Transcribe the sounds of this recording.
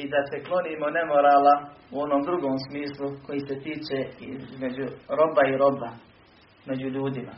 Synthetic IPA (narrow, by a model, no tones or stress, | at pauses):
id̪ase̞klˠo̞niːmo̞ne̞mo̞ɾaːlauo̞no̞ːmd̪ɾuɡoːmsmiːslˠuko̞jiset̪iːt͡ʃeizme̞d͡ʑuɾo̞baiɾo̞ba | me̞d͡ʑuʎuːd̪ima̰